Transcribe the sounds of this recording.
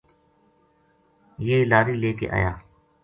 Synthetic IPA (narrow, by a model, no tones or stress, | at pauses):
jeːlaːɾiːleːkḛːʔa̰ːja̰ː